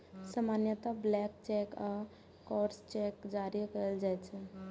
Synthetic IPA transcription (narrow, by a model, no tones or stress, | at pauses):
səmanjət̪ablɛkt͡ʃɛka | kɔɾst͡ʃɛkd͡ʒaɾikəəld͡ʒajt͡ʃʰɛ